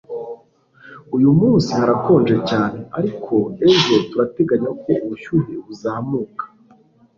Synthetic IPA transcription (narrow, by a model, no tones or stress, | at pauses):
ujumuːnsihaɾako̞ːnd͡ʒe̞caːne̞aɾikʰo̞e̞bʒo̞tuɾate̞ɡaɲaoko̞ʔuβuʃuːheuzaːmuːkḁ